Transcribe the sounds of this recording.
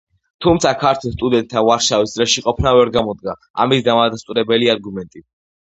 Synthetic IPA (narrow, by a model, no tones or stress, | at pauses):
t̪ʰumt̪sʰakʰaɾt̪ʰwɛlˠst̪ʼud̪ɛnt̪ʼʰːanvaɾʃavisd̪sʼɾɛʃiqʼɔpʰnavɛɾɡamɔd̪̚ɡa | a̰misd̪amad̪ast̪ʼuɾɛbɛliaɾɡumɛnt̪ʼi